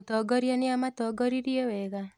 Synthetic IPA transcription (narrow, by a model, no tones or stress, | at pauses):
t̪ɔɡɔɾjanɪamat̪ɔɡɔɾiɾjeweɣa